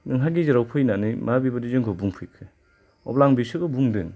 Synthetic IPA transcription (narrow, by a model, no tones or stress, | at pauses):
nɯŋɦaɡiziɾawpʰɯjnanɯjmabibadizɯŋkʰɔbuŋpʰɯjkʰɯ | ɔ̰plaŋbisɯɡɯbuŋdɯŋ